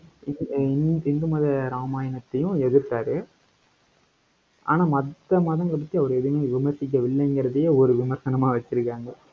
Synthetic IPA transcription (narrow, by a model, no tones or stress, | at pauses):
ɪnnɪnd̪ɯmaːðɐɾaːmaːjɐnɐt̪ːɐjʊ̃ɛðɯɾt̪ːaːɾɯ | ʔa̰ːnaːmɐt̪ːɐmaːðɐ̃ŋɡɐɭɐp̬ɐt̪ːiɐʋɐɾɯɛðɯmeːʋɪmɐɾsɪk̬ʲːɐʋɪɭːɐɛŋɡɪɾɐðɯjeɔɾɯʋɪmɐɾsɐnɐmaːʋɐt͡ʃːɪɾɯkːaːŋɡɐ